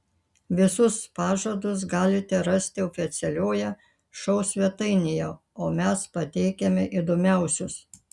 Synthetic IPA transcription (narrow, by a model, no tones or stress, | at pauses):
ʋʲɪsʊspɑːʒoːd̪ʊs̬ɡɑːlʲɪt̪ʲɛɾɐsʲt̪ʲɪɔːfʲɪt̪sʲɛlʲoːjɛ | ʃɐʊsʲʋʲɛt̪ɐɪnʲɪjoː | oːmʲɛspɐt̪ʲɛɪkʲɛmʲɛʔid̪oːmʲæˑʊsʲʊs